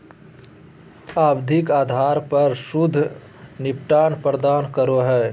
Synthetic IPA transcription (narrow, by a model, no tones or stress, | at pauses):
aːbd̪ʱɪkaːd̪ʱaːɾpɐɾsʊd̪ʱː | nɪpʈaːnpɾəd̪aːnkəɾoɦɛː